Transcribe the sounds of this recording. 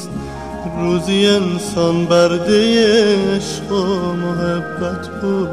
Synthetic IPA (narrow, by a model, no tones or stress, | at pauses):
ɾuzijensɔnbæɾd̪ejeːʃqomoɦebːæt̪ʰbuːd̪